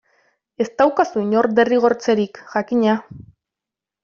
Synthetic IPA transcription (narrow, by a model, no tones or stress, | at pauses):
e̞st̪awkasuiɲo̞ɾd̪e̞riɣ̞o̞ɾt͡se̞ɾikʝakiɲa